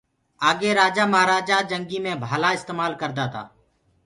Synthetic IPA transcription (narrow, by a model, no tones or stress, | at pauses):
aːɡeːɾaːd͡ʒaːməɦaːɾaːd͡ʒaːd͡ʒəŋɡiːmẽːbʱaːlaːɪst̪eːmaːlkəɾd̪aːt̪a̰ː